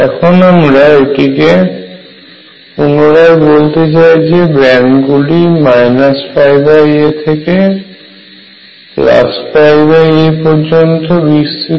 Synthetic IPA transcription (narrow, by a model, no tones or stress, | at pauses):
ɛkʰonamɾaʈike | unoɾajbolt̪et͡ɕaed͡ʑebɾɛɳɖɡulimajnasfajbajet̪ʰeke | pla̰sfajbajepɔɾd͡ʑont̪obist̪i